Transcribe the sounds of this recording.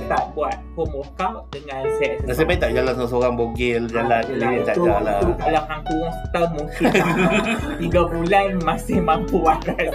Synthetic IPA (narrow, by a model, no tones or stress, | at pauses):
t̪aʔbuat̪̚pəmɔkawtdəŋãnsɛəs̬əpait̪aʔd͡ʒalansamasoɾaŋboɡɪld͡ʒalanliət̪ad͡ʒalaukalamaŋpuŋsə̥t̪əmmũŋkint̪iɡabulanmasɪhmãmpuaɾan